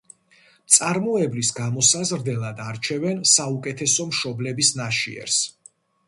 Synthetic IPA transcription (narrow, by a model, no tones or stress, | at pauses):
t̪sʼaɾmɔɛblisɡamɔsazɾd̪ɛlˠad̪aɾt͡ʃʰɛvɛnsaukʼɛt̪ʰɛsɔmʃɔblɛbisnaʃḭɛ̰ɾs